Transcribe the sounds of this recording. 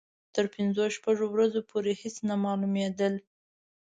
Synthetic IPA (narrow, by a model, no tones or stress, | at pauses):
t̪əɾpɪnzoʃpaʐowɾazopʰoɾehɪsnamɑlumed̪əl